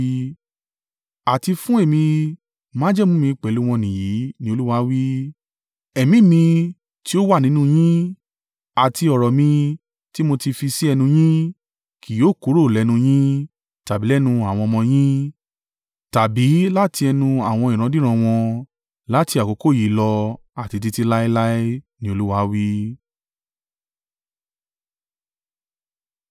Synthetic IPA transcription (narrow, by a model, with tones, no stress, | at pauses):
a˨ti˧fũ˦e˦˨mĩ˧ | mãː˦d͡ʒɛ˦˨mũ˦mĩ˧k͡pɛ˨lu˧˦˧w̃ɔ̃˧nĩ˨ji˨˦nĩ˦o˧lu˦wa˧˦wi˦ | ɛ˨mĩ˨˦mĩ˧ | ti˦o˦wa˦˨nĩ˨˦nũ˦˧j̃ĩ˦ | a˨ti˧ɔ˨ɾɔ˨mĩ˧ | ti˦mo˧ti˧fi˧si˦ɛ˧nũ˧j̃ĩ˦ | kʰi˨joː˨˦ku˨˦ɾo˦˨lɛ˨˦nũ˧j̃ĩ˦ | ta˨bi˨˦ɛ˦nũ˧a˨w̃ɔ̃˧mɔ̃˧j̃ĩ˦ | ta˨bi˨˦la˦ti˧ɛ˧nũ˧a˨w̃ɔ̃˧i˨ɾ̃ã˧dĩ˦ɾ̃ã˧w̃ɔ̃˧ | la˦ti˧a˨ko˨˧˦ko˦˨ji˨˦lɔ˧ | a˨ti˧t̬i˧ti˧la˦i˦la˦i˦nĩ˦o˧lu˦wa˧˦wi˦